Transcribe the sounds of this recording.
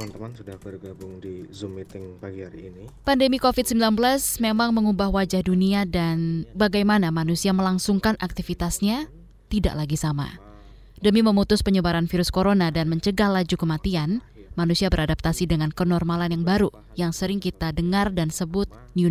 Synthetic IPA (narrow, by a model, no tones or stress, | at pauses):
əmant̪əmansudahbərɡabʊŋdizumit̪ɪŋpaɡihaɾiːnipandəmikofɪt̪̚səmbilanbəlasmemaŋməŋubahwad͡ʒahduniadanbaɡajmanamanusiaməlaŋsuŋkanʔak̚t̪ifit̪asɲa | t̪ida̰ʔlaɡisama̰ | dəmiməmut̪ʊspəɲəbaɾanfiɾʊskoɾonadanməɲt͡ʃəɡahlad͡ʒukəmat̪ian | manusiabəɾadap̚t̪asidəŋankənɔrmalanjaŋbaɾu | jaŋsəɾɪŋkit̪adəŋardansəbʊt̪̚ | nju